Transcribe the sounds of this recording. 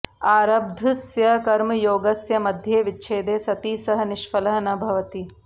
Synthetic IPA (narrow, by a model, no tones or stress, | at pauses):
aːɾɐb̚d̪ʱusjɐkɐɾmɐjoːɡɐsjɐmɐd̪ʱjeːʋɪtːʃʰeːd̪eːsɐt̪iːsɐɦɐ̆nɪʃfɐlɐɦɐnɐbʱɐʋɐt̪i